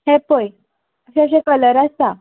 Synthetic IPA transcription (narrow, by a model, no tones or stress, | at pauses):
hɛ̃poj | əɕaəɕ̬ẽkələɾast̪a